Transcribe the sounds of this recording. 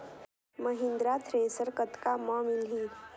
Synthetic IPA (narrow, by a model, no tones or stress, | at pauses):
məɦɪ̃nd̪ɾat̪ʰɾeːsəɾkət̪kamɔmilɦiː